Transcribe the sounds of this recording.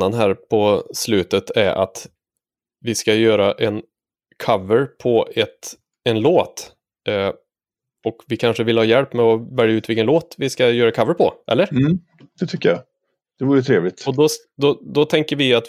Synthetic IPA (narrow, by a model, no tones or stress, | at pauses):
anɦæːɾpʰɔslʉ̟ːt̪ət̪ʰæɾʔa̰t̪ | vɪskajøːɾaʔɛn | kʰavəɾpʰɔɛt̪ | ɛnloːt̪ | ɔkvɪkʰanʂəvɪlhɑːjɛlpːmɛɔvɛljaʉ̟t̪vɪlkːənoːt̪vɪskajøːɾaɛkʰavəɾpʰɔ̰ʔɛ̰lːəɾ̩ | d̪̥ɛt̪ʰʏkːəja̰ | d̪̥ɛvuːɾət̪ʰɾeːvlɪt̪ɔd̪ɔ | d̪ɔd̪ɔt̪ʰɛŋkəɾvɪat̪